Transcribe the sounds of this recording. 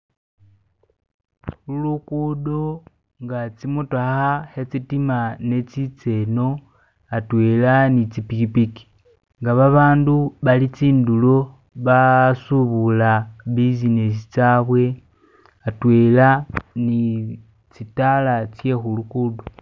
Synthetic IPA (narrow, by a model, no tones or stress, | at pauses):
xulukudo | ŋɡat͡simutaxahet͡sitimane̞t͡sit͡se̞no̞ | atwelanit͡sipikipiki̥ | ŋɡaβaβaːnduβalit͡siːndulo̞ | βasuβulaβizines̬it͡saβwe̞ | atwelani | t͡sitalat͡sje̞xulukudo̞